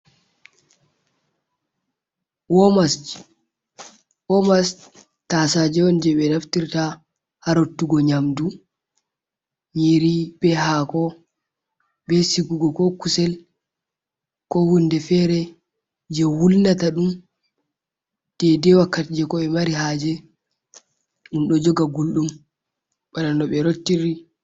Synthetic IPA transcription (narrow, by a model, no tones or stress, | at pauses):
wɔmas | wɔmas | tasad͡ʒɛɔnd͡ʒɛɓɛnaftiɾta | haɾotːuɡɔɲamdu | ɲiɾibɛɦakɔ | bɛsiɡuɡɔkɔkusɛl | kɔhundɛfɛɾɛ | d͡ʒɛwulnataɗum | d̥ɛdɛwakːatd͡ʒɛkɔɛmaɾihad͡ʒɛ | ɗumɗɔd͡ʒɔɡaɡulɗum | ɓananɔɓɛɾotːiɾi